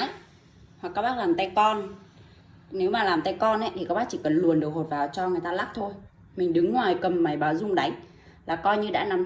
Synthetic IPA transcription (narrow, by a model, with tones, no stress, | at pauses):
hwa˨˩kaː˦˥k̚ɓaː˦˥laː˨˩mt̪a˧jkɔ˧n | ne˨˦wmaː˨˩laː˨˩mt̪a˧jkɔ˧nʔə˨˦j̪ʰi˨˩kaː˦˥ɓaː˦˥k̚t͡ɕi˧˩kə˨˩nlu˨˩ənɗɨ˨˩ək̚ho˨˩t̚vaː˨˩wt͡ɕɔ˧ŋɨ˨˩əjt̪aː˧laː˦˥k̚t̪ʰo˧j | mï˨˩ŋ̟ɗɨ˨˦ŋːwaː˨˩jkə˨˩mːa˨˩jɓaː˨˦wzʊ˧ŋ͡mɗa˨˦jŋ̟ | laː˨˩kɔ˧jɲɨ˧ɗa̰ː˧˥na˨˦m